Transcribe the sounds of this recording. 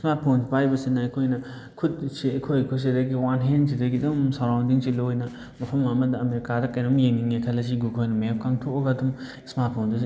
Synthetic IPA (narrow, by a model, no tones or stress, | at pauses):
smat̚pʰonsipajbɐsinɐɐkʰojnɐ | kʰud̚siɐkʰojkʰus̬idɐɡiwanɦens̬idɐɡidumsaɾawndiŋsilojnɐ | mɐpʰɐmŋamɐdɐːmekaɾɐkːɐjnumjeŋniŋekʰɐlɐs̬iɡukʰojnɐmep̚kaŋtʰokɐɡadum | smat̚pʰondusi